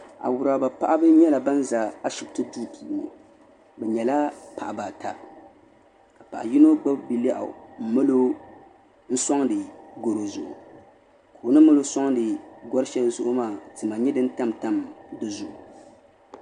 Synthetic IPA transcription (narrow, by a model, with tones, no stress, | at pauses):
a̰˨wʊ˨ɾa˨ba˨pa˦ʔa˦bɨ˦ɲɛ˦la˨ba˦n˦za˨a˦ʃɪ˨b̚tɨ˦tuː˦piː˨nɨ̰˨ | bɛ˨ɲɛ˨la˦pa˨ʔa˨ba˨ta˨ | ka˨pa̰˨ʔa˨ji˦no˦ɡ͡ba˦bbi˨la˦ʔa̰˨m̩˨mɨ˦lo˦ | n̩˦sɔ˦ŋdɨ˨ɡo˨ɾo˨zʊ˨ʔʊ̰˨ | ka˨o˨nɨ˦mɨ˦lo˦sa˦ŋdɨ˨ɡɔ˦ɾʃɛ˦lzʊ˦ʔʊ˦maː˦˨tɨ˨ma˨ɲɛ˦dɨ˦n˦ta˦mta˦mdɨ˦zʊ˨ʔʊ˨